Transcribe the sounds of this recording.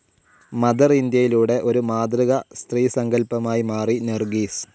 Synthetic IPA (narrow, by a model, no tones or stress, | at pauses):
mɐðɐrind̪jɐjiluːɽe̞ʔo̞ɾumaːd̪riɣɐst̪riːsɐŋɡɐlpɐmaːjimaːrinerɡiːs